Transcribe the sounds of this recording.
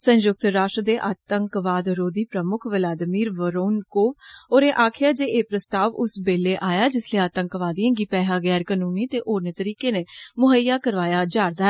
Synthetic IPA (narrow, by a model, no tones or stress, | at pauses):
sənjʊk̚t̪ɾaːʃʈɾəd̪eːʔaːt̪əŋkʋaːd̪ɾoːd̪iːpɾəmʊkʰʋəlaːd̪miːɾʋəɾoːnkoːoːɾeːʔaːkʰɪjaːd͡ʒeːeːpɾəst̪aːʋʊsbeːleːʔaːjaːd͡ʒɪsleːaːt̪əŋkʋaːd̪iãːɡiːpɛːɦaːɡɛːɾkaːnuːniːt̪eːʔoːɾnət̪əɾiːkeːneːmʊɦəjːaːkəɾʋaːjaːd͡ʒaːɾd̪aːɦɛ